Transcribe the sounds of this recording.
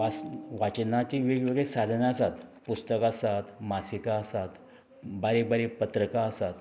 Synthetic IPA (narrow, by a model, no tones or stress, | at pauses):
asʋat͡ɕənat͡ɕiʋeɡʋeɡɭesad̪ʱnaəsat̪pust̪əkasat̪masikaəsat̪ | baɾebaɾepət̪ɾəkaəsat̪